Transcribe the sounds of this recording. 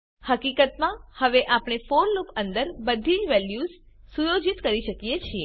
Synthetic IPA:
həkikət̪mãhəʋeʔapɳ̃efoɾlupənd̪əɾbəd̪ʱid͡ʒʋɛljuz | sujod͡ʒit̪kəɾiʃəkijet͡ʃʰie

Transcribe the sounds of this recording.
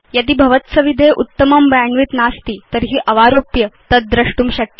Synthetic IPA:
jət̪iːbʱɐʋət̪sɐʋid̪ʱeʔut̪ːəmɐmbjaɳʋit̪nast̪iːt̪əɾɦiːʔɐʋaɾopjət̪əd̪̚d̪ɾəʂʈuːmɕɐk̪̚ː

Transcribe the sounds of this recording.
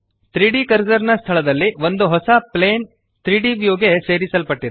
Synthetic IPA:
t̪ɾiːɖikɐɾd͡ʒɐɾnɐst̪ʰɐɭɐd̪ɐlːiʋo̞nd̪uɦɔsɐpleːn | t̪ɾiːɖiʋjoːɡese̞ːɾisɐlpɐʈːid̪

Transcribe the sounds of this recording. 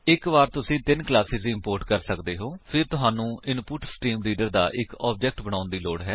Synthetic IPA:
ɪkʋaːɾt̪ʊsĩːt̪ɪnklaːsɪziːɪmpoːɾʈkəɾsəkd̪eːɦoːpʰɪɾt̪ʊɦaːnũːʔɪnpuʈsʈiːmliːɖəɾd̪a̰ːʔɪkɔːb̚d͡ʒɛːk̚ʈbəɽ̃ãːʊnd̪iːloːɽɦɛː

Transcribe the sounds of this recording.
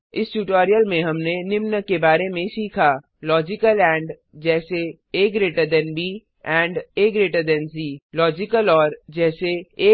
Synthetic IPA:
ɪsʈuːʈɔːɾijəlmẽɦɐmnenɪmnəkebaːɾemẽsiːkʰa | lɔːd͡ʒɪkəlɛ̃ːɳɖ | d͡ʒɛːse | eːkɾeːʈəd̪ɛnbiː | ɛ̃ːɳɖeːkɾeːʈəd̪ɛnsiːlɔːd͡ʒɪkəlɔːɾd͡ʒɛːseː

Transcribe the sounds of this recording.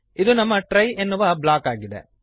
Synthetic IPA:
id̪unɐmːɐʈɾɐjenːuʋɐblaːkaːɡid̪ḛ

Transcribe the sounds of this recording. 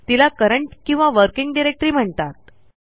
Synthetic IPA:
t̪ilakəɾəɳʈkĩw̃ʋaʋəɾkiŋɡɖiɾek̚ʈɾiːm̤əɳt̪at̪̚

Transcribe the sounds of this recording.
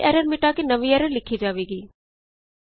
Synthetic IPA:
ʔɛːɾəɾmɪʈakenəʋiɛɾəɾlɪkʰid͡ʒaːʋeːɡiː

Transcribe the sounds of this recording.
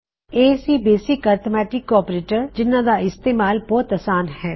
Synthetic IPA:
eːsibeːsɪkaːɾt̪omɛːʈɪkːɔːɾpɾeːʈəɾd͡ʒɪnːãd̪aɪst̪eːmaːlbɔːt̪ɐsaːnɦɛː

